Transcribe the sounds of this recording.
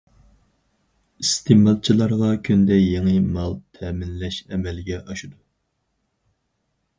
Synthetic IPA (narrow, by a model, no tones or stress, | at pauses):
ist̪ʰemɑlˠt͡ʃʰilˠɑɾʁɑkʲʰynd̪ɛjeŋɨmɑlˠt̪ʰɛmɪnlɛʃɛmɛlɡʲɛʔɑʃud̪u